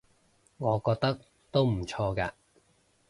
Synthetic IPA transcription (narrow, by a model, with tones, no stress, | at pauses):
ŋɔː˨˧kɔː˧k̚t̪ɐ˥k̚ | t̪o˥wm̩˨˩t͡ʃʰɔː˧kaː˧